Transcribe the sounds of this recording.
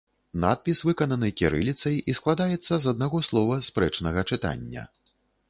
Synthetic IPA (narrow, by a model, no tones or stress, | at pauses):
na̰t̪̚pʲisvɨkɐnɐnɨkʲɛɾɨ̰lʲit̪sɐjisklˠad̪ajɛt̪sːɐzɐd̪̚naɣɔslˠɔvɐspɾɛt͡ʂnɐɣɐt͡ʂɨt̪a̰nʲːɐ̰